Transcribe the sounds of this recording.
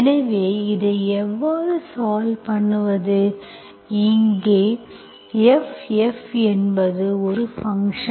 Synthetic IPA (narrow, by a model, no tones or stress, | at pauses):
ɛnɐʋeːɪðɯɛʋːaːðɯsaːlpɐɳːɯʋɐðɯ | ɪŋɡeː | ɛfɛfɛnbɐðɯɔɾɯfɐŋʂɐ